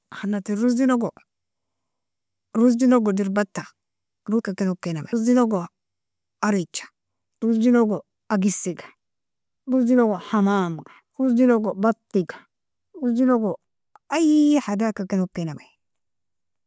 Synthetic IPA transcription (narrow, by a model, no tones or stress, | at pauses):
hanːatiɾusd͡ʒinoɡo | ɾusd͡ʒinoɡɔdiɾbatːa | ɾukakinokenamasd͡ʒinoɡo | aɾit͡ʃːḁ | ɾusd͡ʒinoɡo | aɡisiɡḁ | ɾusd͡ʒinoɡohamamɡa | ɾusd͡ʒinoɡobatːiɡḁ | ɾusd͡ʒinoɡo | ajhadakakinokenamaj